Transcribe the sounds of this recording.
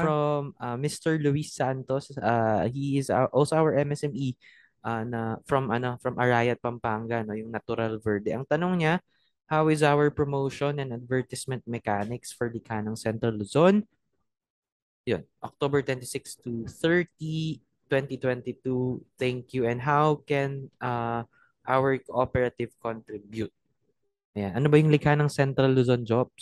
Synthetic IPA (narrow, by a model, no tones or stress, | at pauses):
fɹomɐːɪst̪ɛɹluisːant̪osahiɪza̰ʔolsoʔawɛɹʔɛmɛsɛmi | ʔanɐfɹɐmʔɐno̞fɹɐmʔɐɹaːjɐt̪̚pɐmpaːŋɡɐnojʊŋnɐt̪ʊɾalvɛɹd̪ɛʔɐŋt̪ɐnoŋɲa | hawɪzawɛɹpɹomowʃonɛnd̪ɐd̪̚vɛɹt̪ɪsmɛ̃nt̪̚mɛkanɪksfɛɹlɪkaːnɐŋsɛnt̪ɾɐlːʊzon | jo̰nʔo̰k̚t̪obɛɹt̪wɛnt̪isɪkst̪uθɛɹt̪i | t̪wɛnt̪it̪wɛnt̪it̪uθɛŋkjuʔɛnd̪ɦawkɛnʔa | ʔawɛɹkoʔopɛɹɐt̪ɪvkont̪ɾibjut̪̚ | ʔɐjanʔɐnobɐjʊŋlɪɡhanɐŋsɛnt̪ɾɐlːʊzond͡ʒob̚s